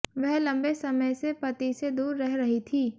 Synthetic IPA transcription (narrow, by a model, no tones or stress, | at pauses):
ʋɛɦlɐ̃mbesɐməjsepɐt̪ised̪uːɾːɛɦɾɐɦit̪ʰiː